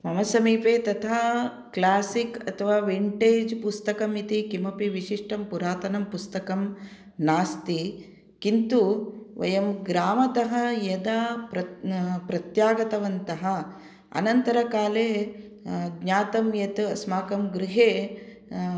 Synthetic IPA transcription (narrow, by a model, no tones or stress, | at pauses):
mɐmɐsɐmiːpeːt̪ɐt̪ʰaː | klaːsikɐt̪ʰɐʋaːʋiɳʈeːd͡ʒpust̪ɐkɐmit̪ikimɐpiʋiʃiʂʈɐmpuɾaːt̪ɐnɐmpust̪ɐkɐm | naːst̪i | kint̪uʋɐ̰jɐmɡɾaːmɐt̪ɐɦɐjɐd̪apɾɐpɾɐt̪jaːɡɐt̪ɐʋɐnt̪ɐɦɐ̆ | ɐ̰nɐnt̪ɐɾɐkaːleː | ɡɲaːt̪ɐmjɐt̪ɐsmaːkɐmɡɾiɦeː